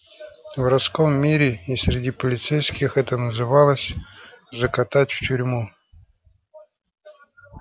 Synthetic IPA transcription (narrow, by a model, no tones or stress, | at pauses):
vrɐsko̞mːʲiɾʲɪisʲɾʲɪdʲipəlʲɪt̪sɛjskʲɪxɛt̪ənəzɨvɑlˠəsʲzəkɐt̪atʲftʲʊɾʲmu